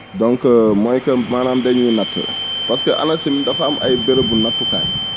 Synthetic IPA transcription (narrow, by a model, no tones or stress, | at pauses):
dɔŋkɐmɔjkɐmaːnaːmdɛɲinɐtːə̰pɐskəʔɐ̰nɐsimidɐfamʔɐ̰jbeɾbunɐtːuka̰ːj